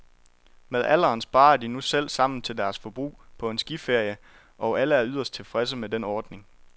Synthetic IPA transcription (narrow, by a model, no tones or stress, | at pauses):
með̞ˠʔæl̰ɐːnsb̥ɑ̈ːɐd̥inusel̰sɑ̈m̰n̩t͡sʰe̝ld̥æɐsfɒ̽b̥ʁṵːpʰɒ̽e̝nsɡ̥ife̝ɐ̰jə | ʔɒ̽ʔæləæɐyð̞̰ˠɐsd̥̚t͡sʰe̝lfʁɛs̬əmedenɒːd̥ne̝ŋ